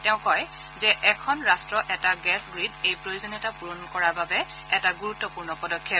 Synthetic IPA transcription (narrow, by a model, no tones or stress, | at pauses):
tɛʊ̃kɔj | zɛʔɛkʰɔnɹastɹɔʔɛtaɡɛsɡɹidejpɹojozonitapuɹonkɔɹaɹbabɛ | ɛtaɡuɹutːɔpuɹnɔpɔdɔkʰːjɔp̚